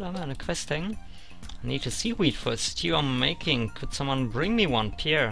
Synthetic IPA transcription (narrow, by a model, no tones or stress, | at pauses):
lãmə̃nɨkʰw̥ɛstɪ̃ŋ | aɪnid̚tʰɨsiwitfə˞stʰjʉə̃meɪkʰɪ̃ŋkʰɨd̥sʌ̃mwʌ̃nbɹɪ̃ŋmiwʌ̃npʰɪɹ